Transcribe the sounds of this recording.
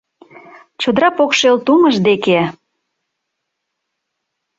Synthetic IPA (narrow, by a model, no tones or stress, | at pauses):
t͡ɕod̪əɾɑpokʃelt̪uməʒd̪eke